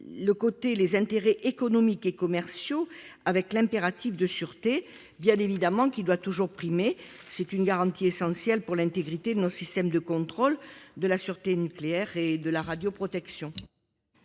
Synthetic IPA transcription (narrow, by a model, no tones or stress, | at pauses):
ləkot̪elezɛ̃t̪eʁeʔekɔnɔmikekɔmɛʁsjoavɛklɛ̃peʁat̪ifd̪əsyʁt̪e | bjɛ̃nevid̪amɑ̃kid̪wat̪uʒuʁpχime | sɛt̪ynɡaʁɑ̃t̪iesɑ̃sjɛlpuʁlɛ̃nt̪eɡʁit̪ed̪ənɔsist̪ɛmd̪əkɔ̃t̪χɔld̪əlasyʁt̪enykleɛʁed̪əlaʁad̪jopχɔt̪ɛksjɔ̃